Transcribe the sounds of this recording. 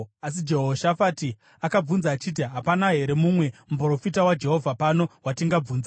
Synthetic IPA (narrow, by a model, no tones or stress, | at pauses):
as̬id͡ʒeɦoʃafaːti | akab͡vunzaːt͡ʃit̬iɦapanaɦe̞ɾe̞mumwe̞mup̬ro̞fitawad͡ʒe̞ɦo̞vʱapano̞watiŋɡab͡vuːnza